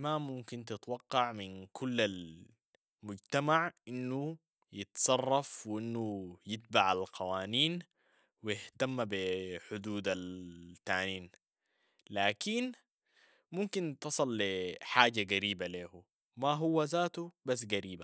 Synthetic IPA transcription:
mamumkint̪ɪt̪wɑqːɑʕminkʰulːal | mʊɟt̪amaʕʔinːu | jɪt̪sˤɑrˤːɑfwʔinːujɪt̪̚baʕalqʰɑwaːniːn | wijɪht̪amːbiħʊd̪uːd̪alt̪aːniːn | laːkin | mumkint̪ɑsˤɨlːiħaːɟaɡaɾiːbaleːhu | maɦuwːazaːt̪ubas̬ːɡaɾiːba

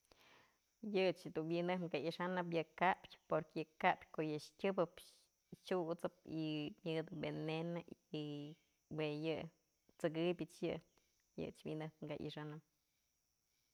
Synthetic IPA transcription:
jɨt͡ʃd̪unbinɨhŋɡaiʂanɨp̬jɨkapʲpoɾkɨkapʲkoʔjɨʂkʲɨbɨp | t͡ʃut͡sɨp̚imjɨd̪ɨbenenai | wejɨ | t͡sɨɡɨbʲɨt͡ʃjɨ | jɨ̰t͡ʃbʲḭnɨhŋɡaʔḭʂanɨp̚

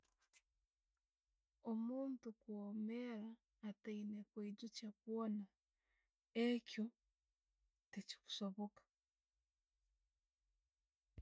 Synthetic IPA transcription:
omuːntukwomeɾaː | teinekweiɟucakwona | ecjo | teci̥ku̥soβokḁ

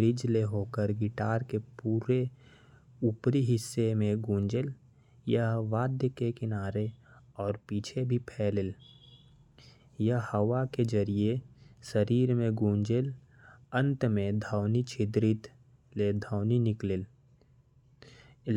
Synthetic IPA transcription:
ɾɪd͡ʒleɦoːkəɾɡɪʈaːɾkepuːɾe | upɾiɦɪsːemẽɡũːnd͡ʒəl | jəɦʋaːd̪jəkekɪnaːɾeɔːɾpiːt͡ʃʰebʱipʰɛːlɪl | jəɦhəwaked͡ʒəɾiesəɾiːɾmẽɡũːnd͡ʒəl | ə̃nt̪mẽd̪ʱaʊnit͡ʃʰɪd̪ɾit̪ | led̪ʱəːʊninɪklɪl

